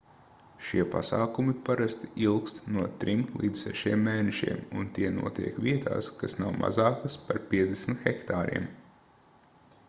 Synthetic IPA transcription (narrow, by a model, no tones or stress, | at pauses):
ʃiɛpa̰saːkumipaɾast̪ilˠkst̪nuɔt̪ɾimlˠiːd̪zsɛʃiɛmːeːnɛʃḭɛmunt̪iɛnṵɔt̪ḭɛkʋʲiɛt̪a̰ːskasnawma̰zaːkaspaɾpʲiɛd̪zd̪ʲesm̩t̪xɛkt̪aːɾḭɛm